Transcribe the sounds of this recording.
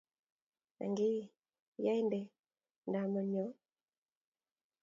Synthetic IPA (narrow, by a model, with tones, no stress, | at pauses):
na̰˨ŋɡi˦˨ | ja˦i˦ndɛ˨ | nda˨mɔ˨ɲɔ˨˦